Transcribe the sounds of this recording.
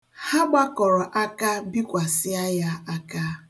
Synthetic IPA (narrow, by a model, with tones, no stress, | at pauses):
ha˦ɡ͡ba˦kɔ˨ɾɔ˨ʔa˦ka˦bi˦kʷa˨sɪ˦a˦ja˦a˦ka˦